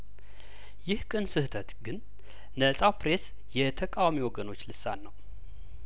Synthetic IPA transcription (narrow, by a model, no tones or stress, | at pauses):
jɪhkʼɨnsɨht̪ʰət̪ɡɨn | nəsʼawpɾe̞s | jɛt̪ʰəkʼawamiwɔɡəno̞t͡ʃːlɨsanːəw